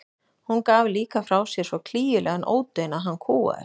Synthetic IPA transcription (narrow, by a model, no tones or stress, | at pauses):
hunkaːvliːkafɾaːwsjɛɾ̥svɔkʰl̥iːjʏlʔɛɣanʔo̰ːwt̪œjnaðɦanːkʰuːa̰ð̰